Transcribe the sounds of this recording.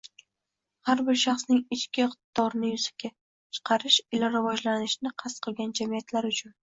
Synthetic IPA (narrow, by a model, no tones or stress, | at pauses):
haɾbɪɾʃɑχsnɪŋɪt͡ʃkʲɪqt̪d̪̥ɒɾnɪjʊzḁkʲʰa | t͡ʃʰɨ̥qʰɑɾɪʃɪlaɾɪvɒd͡ʒlanɪʃɪnɪqʰasqʰɨlˠɡʲand͡ʒamijat̪laɾʊt͡ʃʰʊn